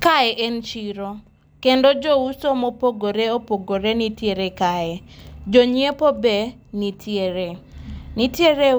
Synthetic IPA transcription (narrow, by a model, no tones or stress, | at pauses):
kaɛʔɛnt͡ʃiɾo | kendod͡ʒousomopoɡoɾeopoɡoɾenitjeɾekaɛd͡ʒoɲiepobe | nitʰjeɾenitjeɾe